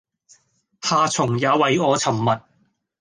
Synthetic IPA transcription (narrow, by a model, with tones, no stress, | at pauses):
haː˨t͡sʰʊ˨˩ŋjaː˨˧˥wɐ˨jɔː˨˧t͡sʰɐ˨˩mːɐ˨t̚